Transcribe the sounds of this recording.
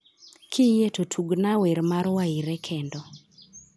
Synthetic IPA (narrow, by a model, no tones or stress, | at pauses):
kʰɪjetotʰuɡnaweɾmaɾwaiɾɛkʰendɔ